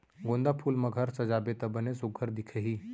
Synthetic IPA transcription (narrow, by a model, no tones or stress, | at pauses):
ɡõːnd̪apʰuːlmɐɡʱəɾsɐd͡ʒaːbet̪ɐbɐnesʊɡʱəɾd̪ɪkʰeɦiː